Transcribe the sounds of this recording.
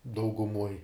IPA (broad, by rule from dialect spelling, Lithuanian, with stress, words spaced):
dɐʊɡʊˈmuɔj